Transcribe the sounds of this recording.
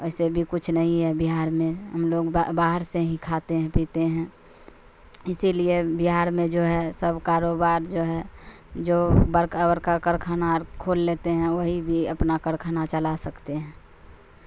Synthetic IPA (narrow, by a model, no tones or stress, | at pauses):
ɛɪsebʱikʊt͡ʃʰnəɦĩɦɛbiɦaːɾmẽɦəmloːɡbaːɦəɾseɦĩkʰat̪eɦɛ̃pit̪eɦɛ̃ | ɪsiliebiɦaːɾmẽd͡ʒoːɦɛsəbʱkaːɾobaːɾd͡ʒoɦɛ | d͡ʒoːbəɾkabəɾkakəɾkʰanaɾkʰoːlːet̪eɦɛ̃wəɦibʱiəpnakəɾkʰanat͡ʃəlasəkt̪eɦɛ̃ː